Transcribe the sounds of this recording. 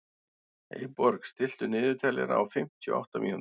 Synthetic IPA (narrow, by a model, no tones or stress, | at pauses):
ejpɔɾkst̪ɪl̥t̪ʏnɪːðʏt̪ʰaːlɛ̰ɾaawfɪm̥t̪ʰjʏɔ̰ʔa̰wht̪amḭːhun